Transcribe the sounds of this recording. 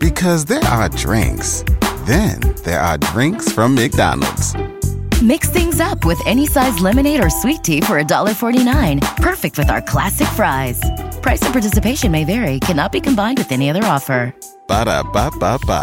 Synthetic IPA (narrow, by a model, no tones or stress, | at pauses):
b̥ɨkʰʌzðə˞ʔə˞dɹɪ̰̃ŋksðɨ̃nðə̰˞ədɹɪ̃ŋksfɹʌ̃mːɪk̚d̥ã̰nl̩ˠdz̥mɪksθɪ̃ŋzʌpwɪðɛnisaɪzlɪmɨneɪɾə˞switʰifə˞ɨdɔlˠə˞fɔɹɾinãɪ̃npʰɜ˞fɨk̚t̚wɨðaʊə˞kʰl̥æsɨkfɹaɪz̥pʰɹ̥aɪsʌv̥pʰɑɹtɪsɨpʰeɪʃɨ̃nmeɪvɛɹikʰænɑt̚b̥ikʰɨ̃mbãɪ̃nd̚wɨðɛñiʌðə˞ɔfə˞ | b̥aɾa̰b̥apapa̰